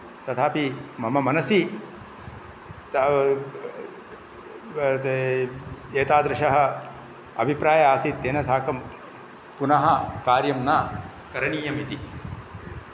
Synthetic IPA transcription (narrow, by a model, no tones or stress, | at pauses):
t̪ɐt̪ʰaːpimɐmɐmɐnɐsi | t̪ | eːt̪aːd̪ɾɪʃɐɦɐ̆ | ɐbʱipɾaːjɐaːsit̪ːeːnɐt̪ʰaːkɐm | punɐɦɐkaːɾjɐmnaː | kɐɾɐɳiːjɐmit̪i